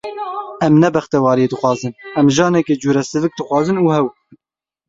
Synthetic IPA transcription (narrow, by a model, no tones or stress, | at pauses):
ɛmnɛbɛxt̪ɛwɑːɾijeːd̪ɨxʷwɑːzɨnɛmʒɑːnɛked͡ʒuːɾɛsɨvɨk̚d̪ɨxʷwɑːzɨnuːhɛw